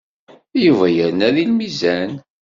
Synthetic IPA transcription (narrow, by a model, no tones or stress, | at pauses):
juvæjəɾnæðilmizæn